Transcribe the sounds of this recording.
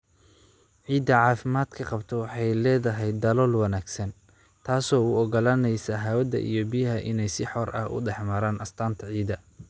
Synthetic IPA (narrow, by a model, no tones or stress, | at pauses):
ʕiːd̪ɐʕɑːfɪmaːd̪kʰɐqɑbt̪ʰɛwɑħɑjlɛːðɐɦɛjd̪ɐlɔːlwɑnaːɡsɐn | t̪ʰaːsɔːuːɔɣɐlaːnɛjsɐɦaːwɐd̪ɐ̰ʔḭjɔbɪjɐɦɐʔɪnɛjsɪħɔrʔɐ̰hʊ̰ɖɛħmɐɾaːnʔɐst̪ʰaːnt̪ʰɐʕiːd̪ɐ